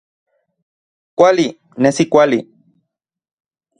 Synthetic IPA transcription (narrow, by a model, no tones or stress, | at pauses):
kʷali | nesikʷali